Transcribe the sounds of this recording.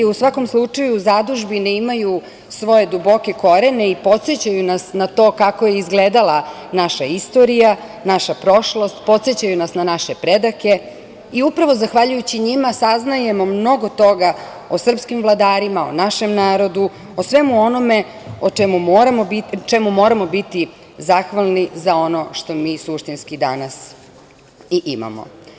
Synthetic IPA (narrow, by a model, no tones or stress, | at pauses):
iusʋako̞mslˠut͡ʂajuzad̪uʒbineimaju | sʋo̞je̞d̪ubo̞ke̞ko̞ɾene̞ipo̞t̪set͡ɕajunasnat̪o̞ːkakojeizɡleːd̪alˠa | naʃaist̪o̞ɾija | naʃapɾo̞ʃlo̞st̪po̞t̪set͡ɕajunasnanaʃepɾed̪ake̞ | iupɾaʋo̞zaxʋaʎujut͡ɕiɲimasaznajemo̞mno̞ɡo̞t̪o̞ɡa | osr̩pskimvlˠad̪aːɾimao̰naʃe̞mnaːɾo̞d̪u | osʋe̞muo̞no̞me̞ | ot͡ʃemumoːɾamobit͡ʃemumo̞ːɾamo̞bit̪i | zaxʋalˠnizao̞no̞ʃt̪o̞miːsuʃt̪inskid̪anas | iʔima̰mo̰